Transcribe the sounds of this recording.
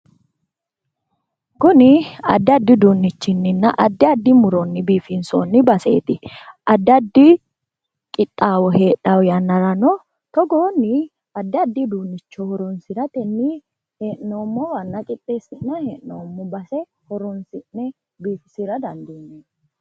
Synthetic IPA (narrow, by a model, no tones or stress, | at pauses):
kʊnɪɐ̰d̪ːɪɐd̪ːɪd̪uːnːɪt͡ʃːɪnːɪnːɐʔɐd̪ːɪɐd̪ːɪmʊɾɔnːɪbiːfɪnsoːnːɪbɐsḛːt̪ɪɐd̪ːɪɐd̪ːɪ | kʼɪt̪ʼːaːwɔhe̞ːᶑɐwjɐnːɐɾɐnɔ | t̪ɔɡoːnːɪ | ɐd̪ːɪɐd̪ːɪd̪uːnːɪt͡ʃːɔhɔɾɔnsɪɾɐt̪ɛnːi | heːʔnoːmːɔwɐnːɐkʼɪt̪ʼːeːsɪnːɐheːʔnoːmːɔbɐsɛ | hɔɾɔnsɪnːɛ | biːfɪsɪɾɐd̪ɐnd̪inːeː